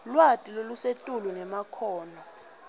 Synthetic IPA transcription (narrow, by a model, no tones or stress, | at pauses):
lwatʼilolusetʼulunɛmakʰɔːnɔ